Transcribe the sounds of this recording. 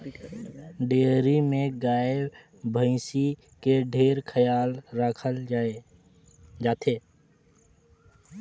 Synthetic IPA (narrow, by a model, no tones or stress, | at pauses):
ɖeːɾimẽɡaːɪb | bʱə̃ɪsi | keɖʱeːɾkʰəjaːlɾəkʰəld͡ʒaːe | d͡ʒaːt̪ʰeː